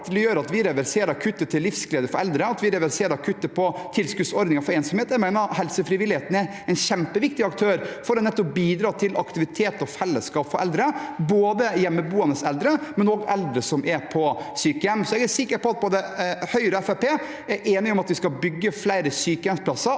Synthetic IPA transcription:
t̪ʰɪljøːɾɑt̪ʋɪɾɛʋæɾseːɾɑɾkʰʉt̪ːət̪ʰɪlːɪfskleːd̪əɾfɔɾɛld̪ɾəɑt̪ʋɪɾɛʋæɾseːɾkʰʉt̪ːəpʰɔt̪ʰɪlskʉsɔɾd̪ɪŋɑfɔɾeːnsɔmheːt̪ɛmæɪnɑhɛlsəfɾɪʋɪlɪheːt̪n̩æɾ | ɛnɕɛmpəʋɪkt̪ɪɑk̚t̪ʰøːɾfɔɾɔnɛt̪ːɔp̚biːd̪ɾɑːt̪ʰɪlʔɑkt̪ɪʋɪt̪ʰeːt̪ɔfɛlːəskɑːpfɔɾʔɛ̰ld̪ɾəboːd̪əjɛmːəbuːɑnəsɛld̪ɾəmɛnoɡɛ̰ld̪ɾəsɔmʔɛpʰɔsyːkəjɛmsɔɛɡæɾsɪkːəɾpɔɑt̪̚pʰod̪əhœʏɾəɛfæpeː | æɾʔeːnɪɔmɑt̪ʋɪskɑlbʏɡːəflæɪɾəsyːkəjɛmspʰlɑsːɑ

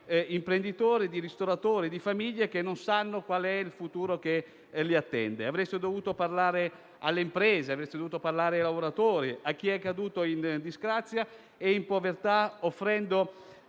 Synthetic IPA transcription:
impɾend̪it̪oːɾid̪iɾist̪oɾat̪oːɾid̪ifamiʎːek̟enːonsanːokwaːleɛilfut̪uːɾok̟e | liat̪ːɛ̰nd̪eavɾɛst̪ed̪ovuːt̪oparlaːɾe | alːeimpɾeːzeavɾest̪ed̪ovuːt̪oparlaːɾeajlavoɾat̪oːɾiak̟ːiɛkːad̪uːt̪oind̪izɡɾat̪sːja | eimpovert̪aofːɾɛnd̪o

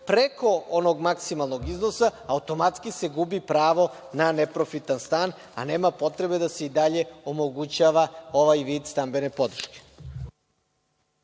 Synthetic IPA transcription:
pɾeko̞onoɡmaksimalˠno̞ɡiznosaːut̪o̞mat̪skise̞ɡubipɾaːʋo̞ | nanepɾofit̪anst̪aːn | a̰ne̞ːmapo̞t̪ɾe̞be̞d̪ase̞id̪aʎe̞omo̞ɡut͡ɕaːʋao̞ʋajʋiːd̪st̪ambe̞nepo̞d̪ɾ̩ʃke̥

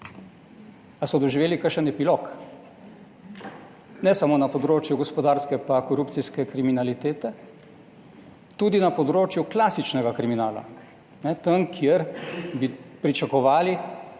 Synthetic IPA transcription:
asɔd̪ɔʒiʋeːlikəɾʃənɛpilok | nɛsamoːnapɔd̪ɾoːt͡ʃjuɡɔspɔd̪aːɾskɛpakɔɾuːpt̪siskɛkɾiminalit̪eːt̪ɛ | t̪uːd̪inapɔd̪ɾoːt͡ʃjuklaːsit͡ʃnɛɡakɾiminaːla̰ | nɛt̪əmkʰjeɾbipɾit͡ʃakɔʋaːli

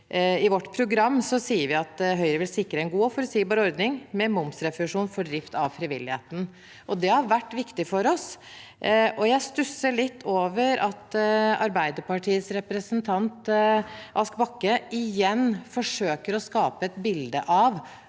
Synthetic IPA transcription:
ɪʋɔʈːpʰɾʊɡɾɑmːsɔsiːəɾʋɪɑt̪ɦœʏɾəʋɪlsɪkːɾəɛnɡuːɔfɔɾsiːbɑːɾəɔɾd̪nɪŋmɛmʊmsɾɛfʂuːnfɔɖɾɪft̪ɑʋfɾɪʋɪlːɪhḛːt̪n̩ | ʔɔd̪ɛhɑɾʋæʈːʋɪkt̪ɪfɔɾɔs | ʔɔjæɪst̪ʉsəɭɪt̪ːoːʋəɾʔɑt̪ɑɾbæɪd̪əpɑʈʰiːəsɾɛpɾəsənt̪ʰɑnt̪ | ʔɑskbɑkːəɪjɛnːfɔʂøːkəɾɔskɑːpəɛt̪bɪld̪əʔɑʋ

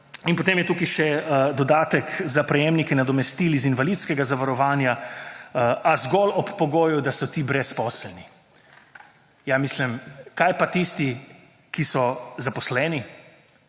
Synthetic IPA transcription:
inpot̪eːmjɛt̪uːkiʃɛd̪ɔd̪aːt̪əkzapɾɛjeːmnikɛnad̪ɔmɛst̪iːlizinʋalit̪skɛɡazaʋaɾɔʋaːnja | azɡɔlɔpːɔɡoːjud̪asɔt̪ibɾɛspɔːslɛni | jamiːslimkaːjpat̪ist̪i | kisɔzapɔslɛːni

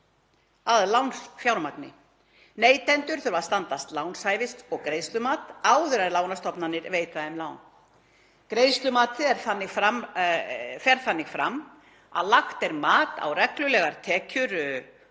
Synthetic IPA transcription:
aðlawnsfjaːwɾmaknɪ̰ | neːjt̪ɛnt̪ʏɾ̥θʏɾvḁst̪ant̪ast̪laːwnsaːjvɪst̪ɔɣkɾejst̪lʏmaːt̪aːwðʏɾaðlaːwnast̪ɔpnanːɪɾveːjt̪aɛmlaːwn | kɾejst̪lʏmaːt̪ɛɾθanːɪfɾam | fɛɾ̥θanːɪɣfɾa̰mː | a̰ðlaxt̪ɛɾmaːt̪a̰wrɛklʏlɛɣaɾt̪ʰɛːcʰʏɾ

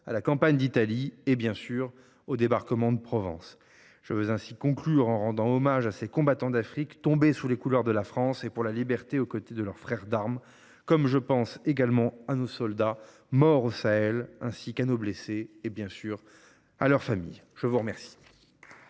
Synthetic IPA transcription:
alakɑ̃paɲd̪it̪aliebjɛ̃syʁ | od̪ebaʁkəmɑ̃d̪əpχɔvɑ̰̃s | ʒ̥əvøzɛ̃sikɔ̃klyʁɑ̃ʁɑ̃d̪ɑ̃ɔmaʒasekɔ̃bat̪ɑ̃d̪afχikt̪ɔ̃besulekulœʁd̪əlafχɑ̃sepuʁlalibɛʁt̪eokot̪ed̪əlœʁfχɛʁd̪aʁm | kɔmʒəpɑ̃seɡalmɑ̃anosɔld̪a | mɔʁosaɛlɛ̃sikanobleseːbjɛ̃syːʁ | a̰lœʁfamḭjʒ̥əvuʁəmɛʁsi̥

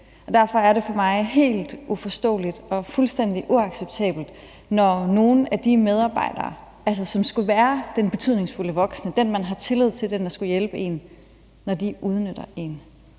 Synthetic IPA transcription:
ʔɒ̽d̥æɐ̰fɒ̽æɐɾe̝fɒ̽mɑ̈ɪɦe̝̰ːld̥ufɒ̽sd̥ɔ̰̽ːlid̥ɒ̽fulsd̥en̰d̥iʔuɑ̈ɡ̥seb̥̚t͡sʰɛ̰ːb̥l̩d̥ | nɒno̝ːn̩æd̥imeð̞ˠɑ̈ːb̥ɑ̈ɪ̰d̥ɐ̰ː | æls̬ɐsɒ̽msɡ̥uʋæːɐd̥enb̥e̝t͡sʰyð̰ˠne̝ŋsfuləʋɒ̽ɡ̥snəd̥enmænɦɑ̈t͡sʰe̝lið̞̰ˠt͡sʰe̝ld̥end̥ɑ̈sɡ̥ujelb̥əe̝̰nː | ɒd̥iʔuð̞ˠnød̥ɐe̝n

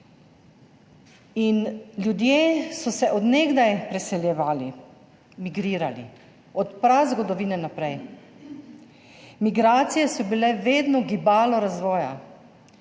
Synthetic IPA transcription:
inlʲjud̪jeːsɔsɛʔɔd̪neɡd̪ajpɾɛsɛljɛʋaːli | miɡɾiːɾalḭ | ɔt̪pɾazɡɔɡd̪ɔʋiːnɛnapɾɛj | miɡɾaːt̪sijɛsɔbilɛʋeːd̪nɔɡibaːlɔɾazʋɔːja̰

